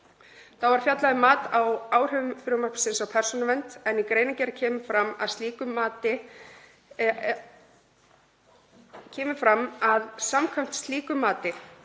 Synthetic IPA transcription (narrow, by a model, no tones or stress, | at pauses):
θawvaɾ̥fjat̪laðɪmaːt̪awaːwr̥ʏvʏmfʏɾʏmarksɪnsawpʰɛɾ̥sɔnavɛnt̪ɛnikɾejnacɛɾɪcʰɛːmʏfɾama̰ðst̪liːkʏmaːt̪ɪ | cʰɛːmɪfɾamːaðsamkʰvajm̥t̪st̪liːkʏmːaːt̪ɪ